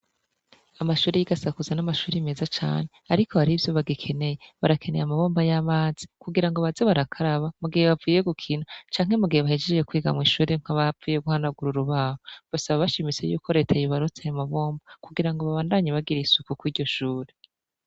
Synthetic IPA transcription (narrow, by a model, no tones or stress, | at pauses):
amaʃuːɾejiɡasakuzanamaʃuːɾiime̞ːzat͡ʃa̰ːne̞aɾikʰo̞haɾivjo̞βaɡikʰe̞ne̞jeβaɾakʰe̞ne̞jamaβoːmbajaːmaːz̥i̥kuɡiɾaŋɡo̞βazeβaɾakʰaɾaβamuɡiheβavuːje̞ɡukʰinat͡ʃaːŋ̥e̞muɡiheβahed͡ʒed͡ʒekwiːɡa̰mŋiːʃuːɾeŋ̥haβaviːjeɡuhanaɡuɾuɾuβaːhoɡ̥osaβaβaʃimit͡se̞̰jṵːko̞ɾe̞ːtʰajoβaɾut͡sajamaβoːmbakuɡiɾaŋɡoβaβaːndaɲaβaɡiɾiisukukwiːɾɟo̞ʃuːɾe